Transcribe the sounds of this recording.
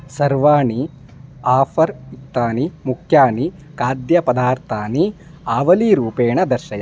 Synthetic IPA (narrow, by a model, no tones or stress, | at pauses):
sɐɾʋaːɳi | aːfɐɾit̪ːaːnimukʰjaːni | kaːd̪jɐpɐd̪aːɾt̪ʰaːni | aːʋɐliɾuːpeːɳɐd̪ɐɾʃɐjɐ